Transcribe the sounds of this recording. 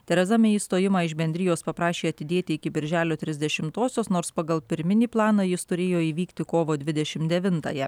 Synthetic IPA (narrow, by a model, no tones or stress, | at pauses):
t̪ʲɛɾʲɛzɐmʲɛiːst̪oːjɪmɑːɪʃbʲɛnʲd̪ʲɾʲɪjoːspɐpɾɑːʃʲeːɐt̪ʲɪd̪ʲeːt̪ʲɪɪkʲɪbʲɪɾʲʒʲæːlʲoːt̪ʲɾʲɪzʲd̪ʲɛʃʲɪmt̪oːsʲoːsnoːɾspɐɡɐlˠpʲɪɾʲmʲɪnʲiːplˠɑːnɑːjɪst̪ʊɾʲeːjoːiːʋʲiːkt̪ʲɪkoːʋoːd̪ʲʋʲɪd̪ʲɛʃʲɪmtd̪ʲɛʋʲɪnt̪ɑ̰jɛ